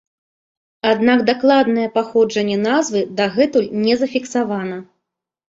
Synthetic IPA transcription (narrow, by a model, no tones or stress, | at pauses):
ad̪naɡd̪aklˠad̪nɨjɛpaxɔd͡ʐɐnʲːɛnazvɨd̪aɣɛt̪ulʲnʲɛzɐfʲiksavanɐ